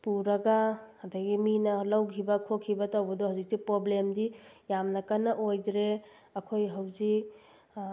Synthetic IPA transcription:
puɾɐɡaɐdɐɡiminɐlawkʰibɐkʰokʰːibɐtawbɐdɔɦawzik̚tipɾoblemdi | jamnɐkanɐʔojdɾe | ɐkʰojɦawzik

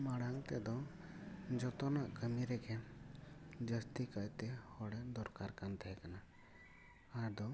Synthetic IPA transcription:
maɽaŋt̪ɛd̪ɔ | d͡ʒɔt̪ɔnaʔkəmiɾɛɡɛ | d͡ʒəst̪ikajt̪ɛhɔɽɛd̪ɔɾkaɾkant̪ʰɛkana | aɾd̪ɔ

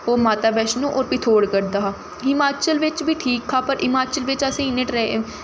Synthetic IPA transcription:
oːmaːt̪aːbɛːʃnũːʔɔːɾpɪt̪ʰoːɽkəɾd̪aːɦaː | ɪmaːt͡ʃəlʋɪt͡ʃʋiːʈʰiːkɦaːpəɾʔɪmaːt͡ʃəlʋɪt͡ʃəsẽːɪneʈɾɛ

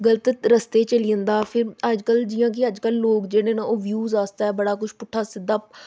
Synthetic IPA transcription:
ɡələt̪ɾəst̪eːt͡ʃəlijə̃nd̪aːpʰɪɾəd͡ʒkəld͡ʒɪjãːk̬ɪəd͡ʒkəlːoːkd͡ʒeːɽẽːnãːoːʋjuːzaːst̪aːɛːbəɽaːkʊʃpʊʈʰːaːsɪd̪ːaː

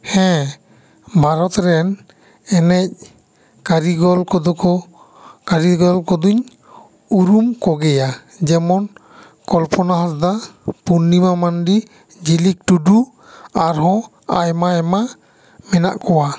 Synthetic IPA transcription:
hɛ̃ | bʱaɾɔt̪ɾɛn | ɛnɛc̚ | kaɾiɡɔlkɔd̪ɔkɔ | kaɾiɡɔlkɔd̪uɲ | uɾumkɔɡɛja | d͡ʒɛmɔn | kɔlpɔnaɦasd̪apunːimamanɖi | d͡ʒilik̚ʈuɖu | aɾɦɔ̃ | ajmaɛma | mɛna̰ʔkɔwa

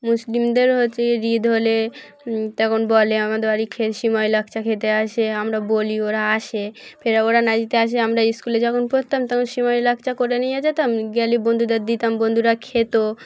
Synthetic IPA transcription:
muslimd̪eɾɦoeɾid̪ʱɦole | t̪ɛkʰonbɔleamad̪eɾaɾikʰeʃimajlak̚ʰt͡ɕakʰet̪eaʃeamɾabolioɾaaʃepʰeɾaoɾanad͡ʑit̪eaʃ̬eamɾaiskuled͡ʑɔkʰonpɾot̪amt̪ɛkʰonʃimajlakʰt͡ɕakoɾenejad͡ʑet̪amɡɛlibond̪ʱud̪aɾd̪it̪ambond̪ʱuɾakʰet̪o

